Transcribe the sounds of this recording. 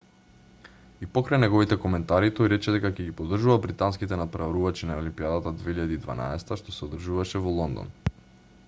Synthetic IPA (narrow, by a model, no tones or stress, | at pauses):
ipɔkɾajnɛɡɔvit̪ɛkɔmɛnt̪aɾit̪ɔjɾɛt͡ʃɛd̪ɛkakɛɡipod̪ːr̩ʒuvabɾit̪anskit̪ɛnat̪̚pɾavaɾuvat͡ʃinaolimpiad̪at̪ad̪vɛiʎad̪iːd̪va̰na̰ɛsɛ̥t̪aʃt̪osɛod̪r̩ʒuvaʃɛvɔlˠɔnd̪ɔ̰n